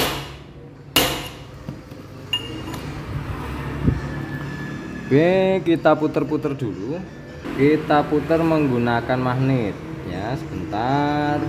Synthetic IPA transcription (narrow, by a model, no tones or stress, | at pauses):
b̥ekit̪aput̪ərput̪ərd̪̥ulu | kit̪aput̪ərməŋɡunakanmahnɪt̪̚ɲasəb̥ənt̪ar